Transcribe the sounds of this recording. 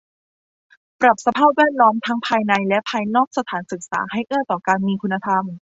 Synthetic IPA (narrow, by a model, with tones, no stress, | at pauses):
pɾa˨˩p̚sa˧pʰaː˥˩p̚wɛː˥˩t̪̚lɔː˦˥mt̪ʰa˦˥ŋpʰaː˧jna˧jlɛ˦˥ʔpʰaː˧jnɔː˥˩k̚sa˧t̪ʰaː˩˦nsɯ˨˩k̚sa̰ː˩˦ha˥˩jʔɤː˥˩t̪ɔː˨˩kaː˧nmiː˧kʰu˧nːa˧t̪ʰa˧m